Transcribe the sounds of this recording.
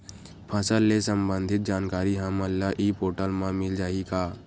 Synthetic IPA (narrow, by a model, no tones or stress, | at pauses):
pʰəsəlːesəmbənd̪ʱɪt̪̚d͡ʒaːnkaːɾiɦəməlːaʔiːpoːʈəlmãmɪld͡ʒaːikaː